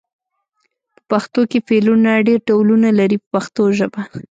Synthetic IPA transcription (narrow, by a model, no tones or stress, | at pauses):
pə̥paxt̪okefelunaɖeɾʈawlunalaɾipəpaxt̪oʒəba